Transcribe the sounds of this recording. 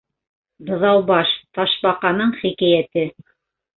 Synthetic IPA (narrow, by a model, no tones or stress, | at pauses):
b̪ɤ̆ðɑwbɑʃt̪ɑʃbɑqɑnɤɴχikæjæt̪ɘ